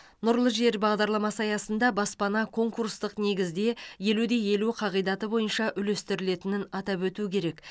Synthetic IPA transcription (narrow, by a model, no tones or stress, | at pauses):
nʊɾlˠəʒe̞ɾbɑʁd̪ɑɾlˠɑmɑsɑjɑsənd̪ɑbɑspɑnɑkʰo̞ŋkuɾst̪əqne̞ɡʲɪzd̪e̞je̞lud̪e̞je̞luqʰɑʁijd̪ɑt̪əbo̞jənʃɑʔʏle̞st̪ɪɾɪle̞t̪ɪnɪnɑt̪ɑpwɵt̪uɪkʲʰe̞ɾe̞k